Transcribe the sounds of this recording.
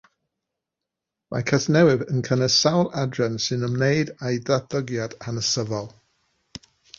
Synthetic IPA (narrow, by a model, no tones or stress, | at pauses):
mʔa̰jkʰəznɛwɪðənkʰənəsawlˠʔadɹɛnsɨnəmnejdajdaθəɡjadanəsəvɔlˠ